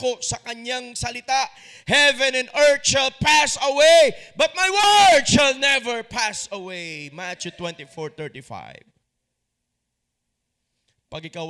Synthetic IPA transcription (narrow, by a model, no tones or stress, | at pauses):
kosɐkɐɲaŋsɐlɪt̪aʔ | hɛvɛ̃nɛ̃nd̪ɛɹt̪̚ʃalpasɐwebɐt̪̚majwəɹd̪ʃalnɛvɛɹpʰasɐwejmat͡ʃut̪wɛ̃nt̪ifɔɹt̪ɛ˞t̪ifa̰ɪv | pɐɡɪkɐ